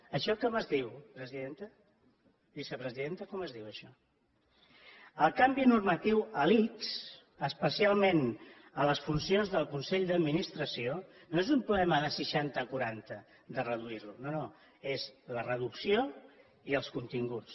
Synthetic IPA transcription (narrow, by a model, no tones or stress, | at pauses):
əʃɔkɔməzðiwpɾəziðent̪ə | bisəpɾəziðent̪əkɔməzðiwəʃɔ | əlˠkambinurmət̪iwəliks | əspəsialˠmen | ələsfunsionzðəlˠkunsɛʎd̪əd̪minist̪ɾəsionoezumpɾuβɛməðəsəʃant̪əkuɾant̪ə | d̪ərəðuiɾlunono | ezlərəðuksio | iəlˠskunt̪iŋɡut͡st͡s